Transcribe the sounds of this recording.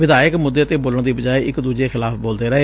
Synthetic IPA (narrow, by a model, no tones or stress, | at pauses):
ʋɪd̪aːjəkmʊd̪ːeːət̪eːboːləɳ̃d̪iːbəd͡ʒaːeɪkd̪uːd͡ʒeːxɪlaːpʰboːld̪eːɾəeː